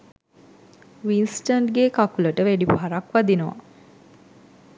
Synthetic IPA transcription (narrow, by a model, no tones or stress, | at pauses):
ʋinsʈənɖɡekakuləʈəʋæɖipɦaɾakʋad̪inəʋa̰